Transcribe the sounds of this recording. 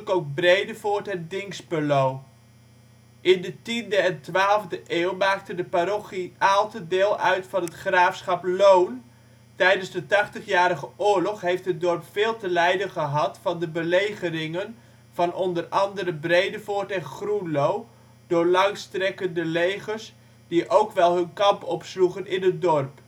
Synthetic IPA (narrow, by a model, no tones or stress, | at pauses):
kowk̚brejdəvoːɹtɛndɪŋsbəlow | ʔɪndətindəɛntʋaːlˠvdəʔɪːwmaːk̚tədəpaɾoχiʔaːlˠtədɪːlˠœɥtfɑnɦətχraːfsχɑplown | tɛjdənzdətɑχtəχjaːɾəχəʔʊːɹlɔχɦejftɦət̚dɔrpfɪːlˠtəlɛjdənχəɦɑtfɑndəbəlejχəɾɪŋən | v̥ɑnʔɔndərɑndəɾəbrejdəvoːɹtɛnχrunlow | dʊːɹlɑŋstrɛkəndəlejχərs | diʔowkʋɛlˠɦɵnkɑmpɔpsluχənɪnət̚dɔrp